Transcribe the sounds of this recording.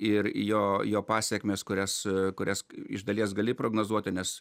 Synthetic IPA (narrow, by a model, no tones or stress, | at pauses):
ɪrjoːjoːpɑːsʲɛkmʲeːskʊɾʲɛskʊɾʲɛsɪ̰ʒd̪ɐlʲiɛsɡɐlʲɪpɾoːɡnoːzuɔt̪ʲɪnʲɛs